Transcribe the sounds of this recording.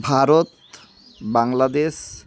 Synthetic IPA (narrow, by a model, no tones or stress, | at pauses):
bʱaɾot̪ | baŋlad̪eʃ